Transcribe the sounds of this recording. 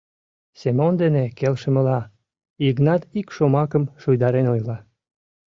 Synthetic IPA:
semond̪enekelʃə̆mə̆lɑ | iknɑt̪ikʃomɑkəmʃujd̪ɑɾenojlɑ

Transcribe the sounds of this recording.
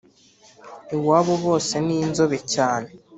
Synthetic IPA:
iwaːβoβo̞ːse̞niːnzoβecaːne̞

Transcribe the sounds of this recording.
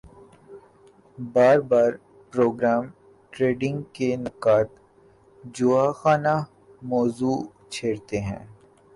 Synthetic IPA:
baːɾbaːɾ | pɾoːɡɾaːm | ʈɾeːɖɪ̃ŋɡkenɪqaːt̪ | d͡ʒʊaxaːna | mɔːzuː | t͡ʃʰeːɾt̪eɦɛ̰̃ː

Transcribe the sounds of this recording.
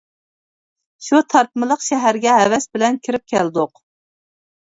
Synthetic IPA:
ʃut̪ʰɑɾp̪mɨlˠəqʃɛɦæɾɡʲɛɦɛvɛsbɪlɛnkʲʰɪɾɪp̚kʲʰɛld̪ʊq

